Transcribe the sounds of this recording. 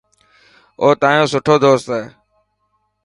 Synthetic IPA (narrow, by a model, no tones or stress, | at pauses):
oːt̪aːjõːsʊʈʰoːd̪oːst̪ɛː